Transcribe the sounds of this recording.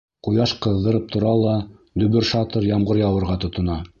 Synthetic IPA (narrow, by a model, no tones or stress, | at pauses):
qujɑʃqɤ̆ðːɤ̆ɾɤp̚t̪ʰŏɾɑlˠɑd̪ɵ̆βɘɾʃɑt̪ɤɾjɑmʁɤɾjɑwɤ̆ɾʁɑt̪ŏt̪ŏnɑ